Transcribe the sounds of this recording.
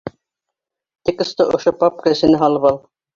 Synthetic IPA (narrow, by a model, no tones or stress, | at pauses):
t̪ikŏst̪ɤʔŏʃopɑp̚kɤɘ̆sɘ̆nɘɦɑlˠɤpɑlˠ